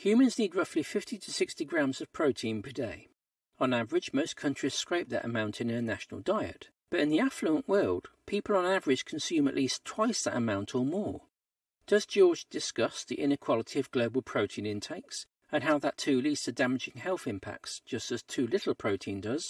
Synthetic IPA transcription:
hjʉmɨ̃nznid̚ɹʌflifɪftitʰɨsɪkstiɡɹæ̃mzʌv̥pʰɹ̥oʊtʰĩnpʰədeɪ | ə̃nævə˞ɨd͡ʒmoʊskʰʌ̃nt͡ʃɹ̥iz̥skɹ̥eɪp̚ðɨ̰ɾə̰mãʊ̃ntʰɨ̃nɨ̃nɨnæʃn̩l̩ˠdaɪɨ̰t̚ | b̥ʌɾɨ̃nðiæfluə̃nʔwɜ˞lˠd̥̚pʰipl̩ˠə̃nævə˞ɨ̥ʒ̥kʰn̩sjʉ̃mə̰ʔlistʰw̥aɪsðə̰ɾə̰mãʊ̃ntʰə˞mɔɹ | d̥ʌzd͡ʒɔɹd͡ʒdɨskʌsðiʔɪ̃nɨkʰw̥ɑlˠəɾʰiʌvɡloʊblˠpʰɹ̥oʊtʰĩnɨ̃ntʰeɪks | ɨ̃nɦaʊðətʰʉlistɨdæmɨd͡ʒɪ̃ŋhɛlˠθɪ̃mpʰæ̰k̚tsd̥ʒ̥ʌstɨz̥tʰʉlɪɾl̩ˠpʰɹ̥oʊtʰĩndʌz̥

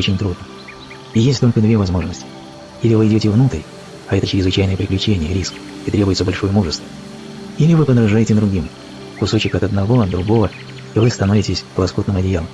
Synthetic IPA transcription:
ot͡ɕɪnʲt̪ɾud̪nə | ijesʲt̪ʲolʲkəd̪vʲevɐzmo̞ʐnəsʲtʲɪ̥ | ilʲɪvɨɪdʲotʲɪvnut̪əɾʲ | ɐɛt̪ət͡ɕɪɾʲɪzvɨt͡ɕæjnɨjəpɾʲɪklʲʉt͡ɕenʲɪjəɾʲisk | it̪ɾʲebʊjɪt̪səbɐlʲʂo̞jəmuʐəst̪və | ilʲɪvɨpəd̪ɾɐʐajɪtʲɪd̪ɾʊɡʲim | kʊso̞t͡ɕɪkɐt̪ɐd̪nɐvo̞ɐd̪d̪ɾʊɡo̞və | ivɨst̪ɐno̞vʲɪtʲɪsʲklˠɐsko̞t̪nɨmɐdʲɪjalˠəm

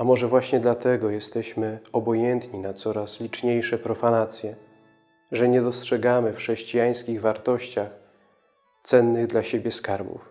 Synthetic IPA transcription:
amɔʐɛvwaɕɲɛd̪lat̪ɛɡɔjɛst̪ɛɕmɘɔbɔjɛnt̪ɲinat̪sɔɾaslʲit͡ʂɲejʂɛpɾɔfanat̪sʲjɛ | ʐɛɲɛd̪ɔstʂɛɡamɘfxʂɛɕt͡ɕijaj̃skʲiɣvaɾt̪ɔɕt͡ɕax | t̪sɛnːɘɣd̪laɕebʲjɛskaɾbṵf

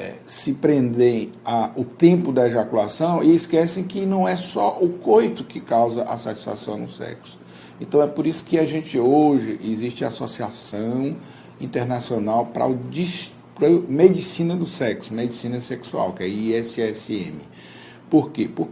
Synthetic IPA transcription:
ɛ̰ | sɪpɾẽnd̪ẽj̃aʊt̪ẽmpʊd̪ɐeʒakulasɐ̃w̃ɪɪskɛsẽj̃kɪnɐ̃w̃ɛsɔʔʊkojt̪ʊkɪkawzɐʔa̰sat͡ʃi̥sfa̰sɐ̃w̃nʊsɛ̰ksʊ̥ | ẽnt̪ɐ̃w̃ɛpoɾisʊ̥kɪaʒẽnt͡ʃɪoʒɪʔɪziʃt͡ʃɪa̰sosiasɐ̃w̃ | ĩnt̪eɾnasionawpɾɐ̰ʊd͡ʒiʃ | pɾɐmed͡ʒisĩnɐd̪ʊsɛksʊmed͡ʒisĩnɐseksua̰wkɛiɛsɛsḛ̃mɪ | poɾkepoɾ

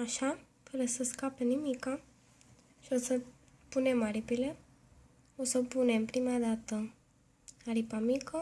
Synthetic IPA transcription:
aʃa | fəɾəsəskapenimika | ʃiosə | punemaɾipile | osəpunempɾimad̪at̪ə | aɾipamikə

